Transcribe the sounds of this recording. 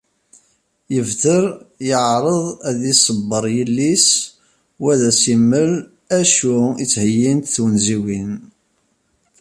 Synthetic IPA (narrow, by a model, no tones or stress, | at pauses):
jəvðəɾjəʕɾˤəðˤæðisˤəbːəɾˤjəlːis | wæðæsimːəl | æʃuit͡sːhəjːint̪θwənziwin